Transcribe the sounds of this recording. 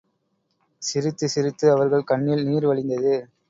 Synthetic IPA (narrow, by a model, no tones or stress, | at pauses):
sɪɾɯt̪ːɯsɪɾɯt̪ːɯɐʋɐɾɣɐɭkɐɳːilniːɾʋɐɭɪnd̪ɐðɯ